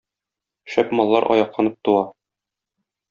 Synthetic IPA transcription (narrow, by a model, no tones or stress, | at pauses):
ɕæpmɒlˠːɑɾʔɒ̰jɑqlˠɑnɤp̚t̪uɑ